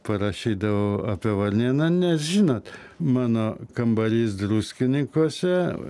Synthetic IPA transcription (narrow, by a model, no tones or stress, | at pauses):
pɐɾɐʃʲiːd̪ɐʋoːɐpʲiɛʋɐrʲnʲiːnɐnʲɛsʒʲiːnoːt̪mɑːnoːkɐmbɐlʲiːs̬d̪ɾuːsʲkʲɪnʲɪŋkuɔsʲɛ